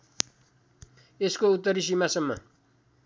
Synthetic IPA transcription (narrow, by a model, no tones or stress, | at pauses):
eskout̪ːʌɾis̬imasʌmːʌ̰